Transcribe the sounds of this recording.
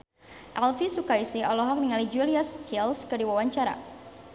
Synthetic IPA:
ʔalfisukaisiɔlɔɦɔk̚niŋalid͡ʒuliast͡ʃilskərdiwawaɲt͡ʃaɾa̰

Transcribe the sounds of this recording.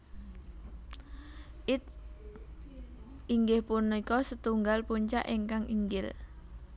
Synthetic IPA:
ʔɪt̪̚ | iŋɡɪhpunːikɔsət̪uŋɡalpuɲt͡ʃa̰ʔiŋkaŋʔiŋɡɪl

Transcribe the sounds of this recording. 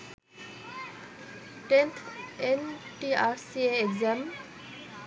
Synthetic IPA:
ʈẽnt̪ʰenʈiasieeɡzam

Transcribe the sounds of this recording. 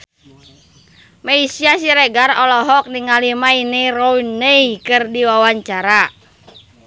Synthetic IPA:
meisiasiɾɛɡarɔlɔɦɔk̚niŋalimainirɔineikɨrdiwawaɲt͡ʃaɾa

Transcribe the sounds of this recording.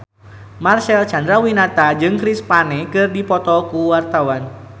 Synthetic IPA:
marsɛlt͡ʃand̪ɾawinat̪ad͡ʒɨŋkɾispanekɨrdipɔt̪ɔkuwart̪awan

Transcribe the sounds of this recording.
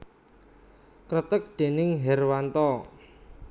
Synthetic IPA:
kɾət̪ək̚d̪̥e̤nɪŋɦɛrwant̪ɔ

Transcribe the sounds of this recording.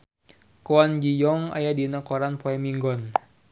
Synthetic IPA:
koand͡ʒijɔŋa̰jadinakɔɾanpɔɛmiŋɡɔn

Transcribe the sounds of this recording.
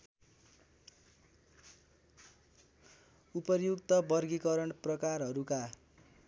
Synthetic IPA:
upʌrjukt̪ʌbʌrɡikʌɾʌɳprʌkarɦʌɾuka

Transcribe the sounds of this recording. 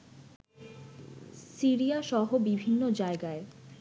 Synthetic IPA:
siɾiaʃɔɦobibʱinːod͡ʑaeɡae

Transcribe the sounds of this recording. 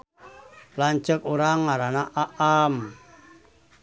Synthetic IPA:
laɲt͡ʃəkuɾaŋːaɾanaʔaʔam

